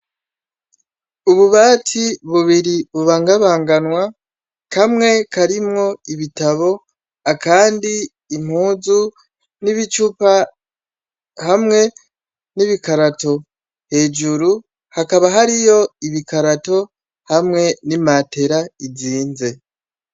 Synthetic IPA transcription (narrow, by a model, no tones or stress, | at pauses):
uβuβaːtʰiβuβiɾiβuβaːŋɡaβaːŋɡanwa | kʰamŋe̞kaɾimŋo̞iβitaβo̞ | akaːndiː | m̥huːzu | niβit͡ʃupa | hamŋe̞ | niβikaɾato̞ | he̞ːd͡ʒuɾu | hakaβaɦaɾijo̞iβikaɾato̞ | hamŋe̞nimaːte̞ɾaiziːnze̞